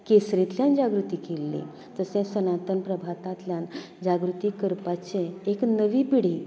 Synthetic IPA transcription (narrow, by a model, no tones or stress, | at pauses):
kesɾĩt̪ljand͡ʑaɡɾut̪iːkelːḭ̃ | t̪əsɛ̃sənat̪ənpɾəbʱat̪ãt̪ljan | d͡ʑaɡɾut̪iːkəɾpat͡ɕẽeknəʋiːpiɽ̤i